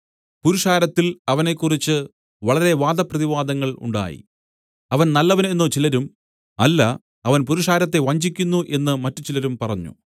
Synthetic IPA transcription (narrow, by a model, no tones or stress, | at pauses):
puɾuʂaːɾɐt̪ːilɐʋɐne̞kːurit͡ɕːɨ | ʋɐɭɐɾe̞ʋaːd̪ɐprɐðiʋaːd̪ɐŋːɐɭṵɳɖa̰ːjḭ | ɐʋɐnnɐlːɐʋɐne̞nːoːt͡ɕilɐɾum | ɐlːɐ | ɐʋɐnpuɾuʂaːɾɐt̪ːe̞ʋɐɲd͡ʑikʲːunːuʔe̞nːɨmɐtːut͡ɕilɐɾumpɐrɐɲːṵ